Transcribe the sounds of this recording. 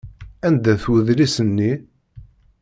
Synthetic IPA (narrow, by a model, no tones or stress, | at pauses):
ænd̪æθwəðlisənːi